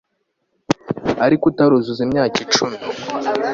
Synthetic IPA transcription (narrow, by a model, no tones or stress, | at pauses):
aɾikutaɾuzuzimɲaːkit͡ʃumi